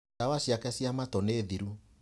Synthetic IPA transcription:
awaɕjakɛsjamatɔneːðiɾu

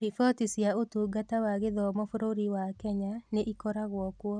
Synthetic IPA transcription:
ɾifɔtisiaotuɡatawaɣeðɔmɔfoɾoɾiwakɛɲaneʔikɔɾaɣwɔkwɔ

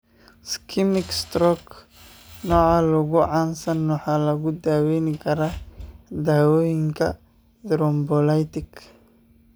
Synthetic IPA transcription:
skʰɪmɪkst̪ɾɔk | nɔːʕalɐɣʊʕaːnsɐnwɑħaːlɐɣʊd̪aːwɛjnɪkʰɐɾad̪aːwɔːjɪŋkʰɐ | d̪ɾɔmbɔlajt̪ɪk

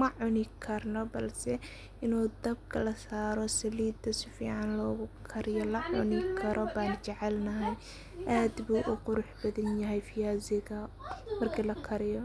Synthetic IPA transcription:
mɐʕʊnɪkʰɐrnɔbɐlsɛ | ʔɪnuːd̪ɐb̚kʰɐlɐsaːɾɔsɐliːd̪ɐsɪfḭːʕɑnlɔːɣʊkʰɐɾɪjɔlɐʕʊnɪkʰɐɾʔɔbaːnt͡ʃɛʕɛlnɐɦɛj | ʔaːd̪buːʔʊqʊɾʊħbɐðɐnjɐɦɛjfɪjaːzɪðɐ | mɐrkʰiːlɐkʰɐɾɪjɔ

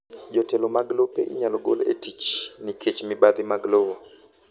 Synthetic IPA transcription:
d͡ʒɔtɛlomaɡlopḛʔɪ̰ɲalɔɡo̰lḛtit͡ʃnikʰet͡ʃmɪbad̪ɪmaɡlowo

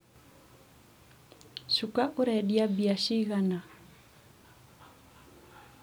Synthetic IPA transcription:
ʃukaʔuɾɛɗiabiaʃiɣana

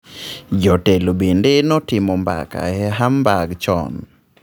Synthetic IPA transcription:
d͡ʒɔtelobendenɔtɪmɔmba̰ka̰ɛɦambaɡt͡ʃɔ̰n

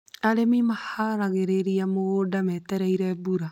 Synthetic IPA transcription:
aɾemimahaɾaɣeɾeɾiamoodamɛtɛɾɛiɾɛːbuɾa

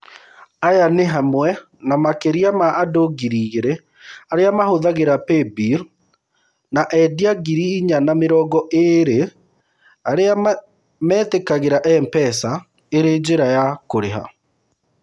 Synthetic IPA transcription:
ajaneɦamwɛ | namakeɾiamaːdoɡiɾiɣeɾe | aɾeamahoðaɣeɾapebiɾ | naʔɛdiaɡiɾiːɲanameɾɔːɡɔʔeɾe | aɾea | mɛːtekaɣeɾaʔɛmpɛsa | eɾed͡ʑeɾajakoɾeɦa̰

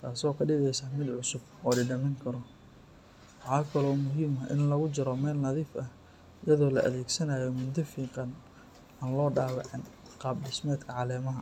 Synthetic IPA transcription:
t̪ʰaːsɔːkʰɐɖɪɣɛjsaːmɪd̪ʕʊsʊb | ɔːɖɪɖɐmɛŋkʰɐɾɔ | wɑħɑːkʰɐlɔːmʊɦiːmɐʔɪ̰nlɐɣʊt͡ʃɪɾɔmɛːlnɐðiːfɐh | jɐðɔːlɐ̰ʔɐ̰ðɛːɡsɐnaːjɔmʊd̪ɐfiːqɑn | aːnlɔːɖaːβɑʕɪnqɑːbɖɪsmɛːd̪kʰɐʕɑlɛːmɐɦɐ

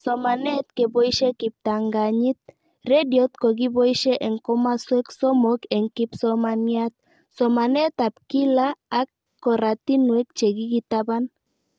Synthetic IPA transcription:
somanet̪̚kebojʃekip̚t̪aŋɡaɲit̪̚ | rediot̪̚koɡibojʃeʔeŋkomasueksomokeŋkipsomaniat̪̚ | somanet̪ap̚kilaːk | kːoɾat̪inuek̚t͡ʃeɡiɡit̪aban

